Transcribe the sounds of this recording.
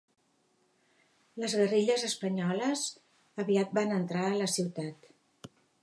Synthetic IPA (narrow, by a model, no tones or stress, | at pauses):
ləzɣəriʎəzəspəɲɔləz | əβiat̪̚banənt̪ɾaələsiwt̪at̪